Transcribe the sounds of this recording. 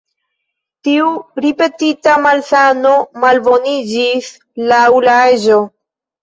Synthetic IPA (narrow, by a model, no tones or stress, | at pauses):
tiuɾipe̞titamalsano̞malbo̞nid͡ʒis | laulaeʒo̞